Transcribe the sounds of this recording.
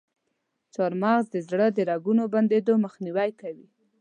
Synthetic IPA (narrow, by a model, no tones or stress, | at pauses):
t͡soɾmɑɣzd̪əzɽəd̪əɾɑɡunoband̪ed̪oməxniwajkawi